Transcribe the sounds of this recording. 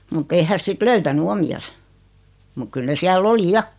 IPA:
mutː ei hæs sit løytæny omiɑs muk kyl ne siælː oli jɑ

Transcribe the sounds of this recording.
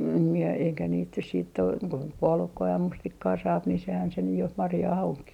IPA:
em mie eikæ niːt nys siːtː ok ko puolukːɑː jɑ mustikːɑː sɑːp ni sehæn se nyj jo mɑrjɑːh oŋkiː

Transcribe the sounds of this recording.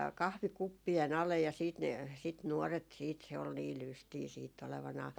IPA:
kɑhʋikupːien ɑlej jɑ siːt ne sit nuɔret siːt se ol niː lystiː siːtː oleʋɑnɑː

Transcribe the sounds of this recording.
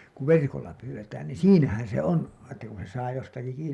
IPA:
ku ʋerkolːɑ pyːwːetæːn niːn̞ siːnæhæn se on etːæ kun se sɑː jostɑki kiːni

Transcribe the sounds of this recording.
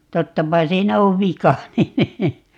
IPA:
totːɑpɑ siːnæ oʋ ʋikɑ nin

